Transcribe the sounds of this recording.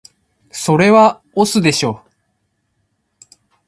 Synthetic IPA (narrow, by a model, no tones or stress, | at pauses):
so̞ɾe̞βa | osɨd̪e̞ɕo̞ː